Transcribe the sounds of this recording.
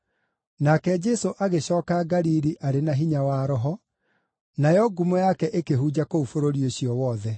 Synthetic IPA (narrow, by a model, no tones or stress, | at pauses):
nakɛd͡ʒɛsoʔaɣeɕɔːkaɡaɾiɾiʔaɾenaɦiɲawaɾɔɦɔ | najɔɡumojakɛʔekeɦud͡ʑakoufoɾoɾioɕiɔwɔðɛ